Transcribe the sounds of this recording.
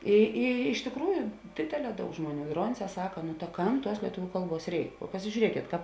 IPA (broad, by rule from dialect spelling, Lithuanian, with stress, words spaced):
ˈɪ ɪ ɪʃ tʲɪkˈruːjʊ ˈdʲeːdʲeːˌlʲɛː ˈdɐʊk ˈʒmuɔˌnʲuː ˈdroːnʲˌsʲɛː ˈsɑːkɐ nʊ tɐ ˈkɐm ˈtuɔs lʲiɛˈtʊʋʲʊ ˈkɐlˠˌbuɔs ˈrʲɛɪk pɐsʲɪʒʲuːˈrʲiɛkʲeːt ˈkɑːp